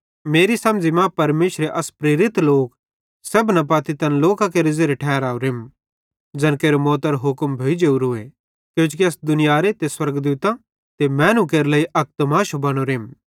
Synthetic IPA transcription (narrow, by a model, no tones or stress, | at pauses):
meːɾisɐmd͡ʒimãpɐɾmeːʃɾeʔɐspɾeːɾɪt̪loːk | sɐbnɐp̬aːt̪it̪ɐnloːkãk̬eːɾɪzeːɾeʈʰɛːɾaːuɾem | d͡ʒɐnkeːɾomɔːt̪ɐɾoɦʊkmbʱeːid͡ʒeːuɾʊe | kjõːt͡ʃk̬iɐsd̪ʊnɪjaːɾet̪eswɐɾɡd̪uːt̪ã | t̪emɛːnũk̬eːɾlɐiʔɐk̚t̪maːʃobɐɽ̃oɾeːm